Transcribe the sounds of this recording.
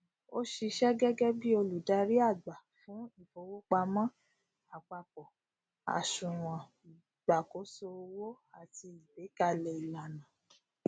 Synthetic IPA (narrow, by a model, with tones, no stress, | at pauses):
o˦ʃi˧ʃɛ˦ɡɛ˦ɡɛ˦bi˦o˧lu˨da˧ɾi˦a˦˨ɡ͡ba˨fũ˨˦i˦˨fo˧˦wo˦k͡pa˧mã˦ | a˨k͡pa˧k͡pɔ˨ | a̰˨ʃũ˨w̃ã˨ | ɡ͡ba˨ko˨˦so˧wo˦ | a˦˨ti˧i˨be˨˦ka˧lɛ˨i˨la˨nã˨